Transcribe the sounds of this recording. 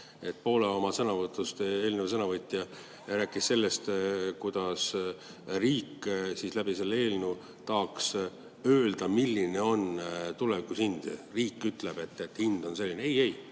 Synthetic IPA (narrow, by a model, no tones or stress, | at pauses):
e̞t̪̚ːˑpo̞ːleo̞mɑsɤnɑvɤt̪ːˑust̪eːlnesɤnɑvɤt̪ʲˑːjɑ | ræːkːˑisse̞lːe̞st̪kud̪̥ɑs | riːkːsislæbise̞lːe̞ːlnu | t̪ɑːks | øːld̪̥ɑmilːine̞o̞nt̪ulɛvikːusind̪̥riːkːˑyt̪ˑle̞b̥e̞t̪ːet̪ːhind̪̥o̞nse̞lːineeje̞j